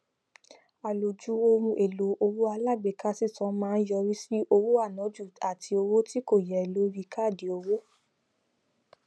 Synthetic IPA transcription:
a˨lo˨d͡ʒu˨˦o˧mũ˧ʔe˨lo˨˦ʔo˧wu˦a˧la˦˨ɡ͡be˨ka˦si˦˨tɔ̃˨˦mãː˦˧n̩˦jɔ˧ɾi˦si˦ʔo˧wo˦a˦˨nɔ̃˨˦d͡ʒu˦˨a˨tʰi˧o˧wo˦ti˦ko˦˨jɛ˨lo˨˦ɾi˧ka˦˨di˨˦o˧wo˦

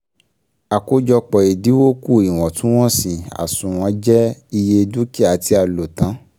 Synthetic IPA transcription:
a˨ko˦d͡ʒɔ˧k͡pɔ˨i˨di˨˦wo˦ku˦˨i˨w̃ɔ̃˨tũ˨˦w̃ɔ̃˦sĩ˨a̰˨sũ˨w̃ɔ̃˨˧˦d͡ʒɛ˦i˧je˧du˦ki˦˨a˨ti˧˦a˧˨lo˨tã˨˦

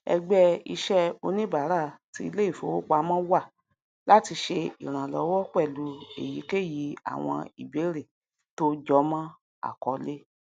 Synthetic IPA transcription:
ɛ̰˧ɡ͡bɛ˦i˧ʃɛ˦o˧nĩ˦ba˨˦ɾa˦˨ti˧˦i˧le˦i˦˨fo˨˦wo˦k͡pa˧˦mã˦wa˦˨ | la˦ti˧ʃe˧i˨ɾ̃ã˨lɔ˨˦wɔ˦k͡pɛ˦˨lu˧˦ḛ˨ji˨˦ke˦˨ji˨˧˦a̰˨w̃ɔ̰̃˧i˨be˨˦ɾe˨ | to˦d͡ʒɔ˦mã˦ | a̰˦˨kɔ˨˦le˦

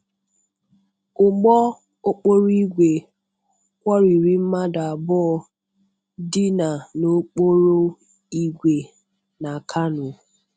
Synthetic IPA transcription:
ʊ˨ɡ͡bɔ˦ | ʊ˦k͡po˦ɾi˦ɡʷe˨ | kʷɔ˦ɾi˨ɾi˦m̩˦ma˦da˨a˨bɔ˦ɔ˨ | dɪ˦na˨no˦k͡po˦ɾo˦ | i˦ɡʷe˨ | na˨kʰa˦nʊ˨

